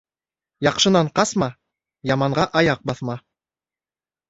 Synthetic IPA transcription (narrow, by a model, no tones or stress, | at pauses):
jɑqʃɤ̆nɑɴqɑsmɑ | jɑmɑɴɢɑʔɑjɑq̚bɑθmɑ